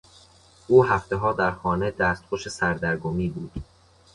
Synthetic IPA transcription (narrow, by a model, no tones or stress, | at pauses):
ʔuːɦæft̪eɦɒːd̪æɾxɒːne̞d̪æːst̪̚xoʃesæɾd̪æɾɡomiːbuːd̪̥